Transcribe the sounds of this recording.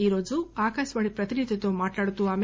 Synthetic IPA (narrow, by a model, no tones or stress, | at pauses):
iːɾoːd͡ʒuaːkaːʃʋaɭipɾɐt̪inid̪ʱjɐt̪ːoːmaːʈlaːɽut̪ːuaːm